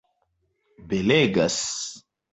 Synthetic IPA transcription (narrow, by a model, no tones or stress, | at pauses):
beleɡas